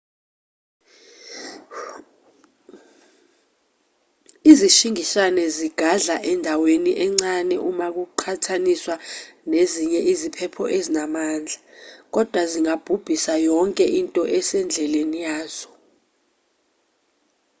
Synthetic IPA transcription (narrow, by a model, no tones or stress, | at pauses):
iziʃiŋiʃanɛziɡ̥ʱaɮaʔɛndʱaweniʔɛŋ͡ǀanɛʔumak̬uǃʰatʰaniswaneziɲɛʔizipʰɛpʰɔʔezinamaːnd͡ɮʱak̬ɔd̥ʱwaziŋab̥ʱub̥ʱisajɔŋkʼɛʔintʼɔʔɛsɛnd͡ɮʱɛlenijaːz̥ɔ